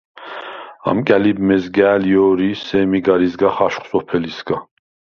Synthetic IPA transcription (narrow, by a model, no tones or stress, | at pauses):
a̰mkʼælibmɛzɡɛːljɔːɾisɛmiɡaɾisɡaχaʃχsɔpʰɛlisɡa